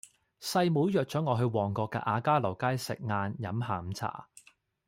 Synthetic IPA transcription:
sɐ˧jmuː˨˥wjœː˨k̚t͡ʃœː˨˥ŋɔː˨˧ɦɵ˧ɥwɔː˨˩ŋkɔː˧kːɛ̰˧ʔaː˨˧kaː˥lɐ˨˩wkaː˥jsɪ̰˨k̚ŋaː˧njɐ˨˥mɦaː˨˧m̩˨t͡sʰa̰ː˨˩

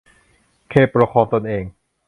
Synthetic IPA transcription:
kʰeː˥˩pɾa˧kʰɔː˧mt̪o˧nʔeː˧ŋ

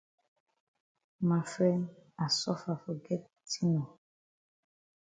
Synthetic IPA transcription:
ma˨fɾɛ˦na˨sɔ˦fa˨fɔ˨ɡɛ˦t | ti˦nɔ˨

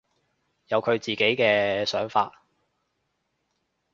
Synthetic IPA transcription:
jɐ˨˧wkʰɵ˨˧ɥt͡siː˨ke˨˥jkɛː˧sœː˨˥ŋfaː˧t̚

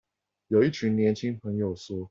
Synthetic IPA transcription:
jo˨˩ʊi˥˩t͡ɕʰy˧˥nnjɛ˧˥nt͡ɕʰi˥ŋpʰə˧˥ŋjo˨˩ʊʂɔ˥

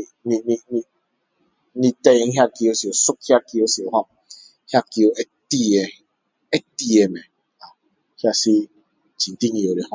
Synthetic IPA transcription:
ni˦ni˦ni˦ | ni˦te˦e˨ŋ̩˦ɦja˦ki˦o˦si˨o˨su˦k̚hja˦ki˦o˦si˨o˨ɦɔ˦k̩̚˦ | hja˦ki˦o˨e˦ti˦e˨ | e˦ti˦e˨˦me˨ | a˨˦ | hja˦si˦˨ | t͡ʃi˨n̩˨ti˦ɲi˨o˨ɾe˨hɔ˦

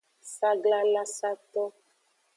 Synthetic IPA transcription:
sa˦ɡla˦la˦sa˦t̪ɔ˦

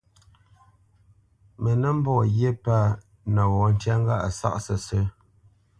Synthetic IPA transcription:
mə˨nə˦m̩˦bɔ˦˨ɣje˦pa˦˨ | nə˨wɔ˨˦n̩˦tja˦ŋ˦ɡa˦ʔa˨sa̰˦ʔsə˨sə˦

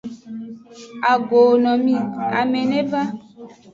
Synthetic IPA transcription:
a˨ɡo˨nɔ̃˨mĩ˦a̰˨mẽ˨nẽ˦ba˦

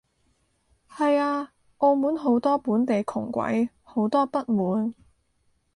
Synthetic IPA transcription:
hɐ˨jaː˧ | ʔo˧wmuː˨˥nɦo˨˥wt̪ɔː˥puː˨˥nt̪e˨jkʰʊ̰˨˩ŋkʷɐ̰˨˥j | ho˨˥wt̪ɔː˥pɐ˥t̚muː˨˥n

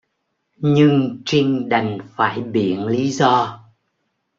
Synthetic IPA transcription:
ɲɨ˧ŋt͡ɕi˧ŋɗa˨˩jŋ̟faː˧˩jɓḭ˧˨ənli˨˦zɔ˧

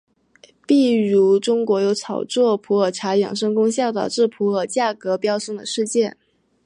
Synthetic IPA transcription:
pi˥˩ɻu˧˥ʈ͡ʂʊ˥ŋkwɔ˧˥jo˧˥ʊt͡sʰɑ˨˩ʊt͡swɔ˥˩pʰu˧˥ə˞˨˩ʈ͡ʂʰa˧˥jɑ˨˩ŋʂɤ˥ŋkʊ˥ŋɕjɑ˥˩ʊt̪ɑ˨˩ʊʈ͡ʂɻ̩˥˩pʰu˧˥ə˨˩˥t͡ɕja˥˩kɤ˧˥pjɑ˥ʊʂɤ˥˩ŋd̪ə̰˩ʂɻ̩˥˧t͡ɕjɛ˥˩n

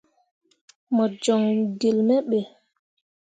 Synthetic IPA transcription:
mɔ˨d͡ʒɔ˨ŋɡe˨lmɛ˦ɓɛ˨

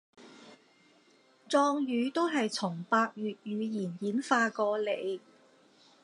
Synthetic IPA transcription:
t͡sɔː˧ŋjyː˨˧t̪o˥wɦɐ˨jt͡sʰʊ˨˩ŋpaː˧k̚jyː˨t̚jyː˨˧jiː˨˩njiː˨˥nfaː˧kɔː˧le˨˧j

